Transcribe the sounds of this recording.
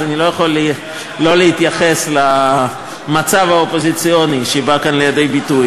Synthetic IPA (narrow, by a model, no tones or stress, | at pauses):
anilo̞jaχo̞l | lo̞lehit̪jaχe̞sla | mat͡savaopo̞zit͡sijo̞niʃebakanle̞jade̞jbituj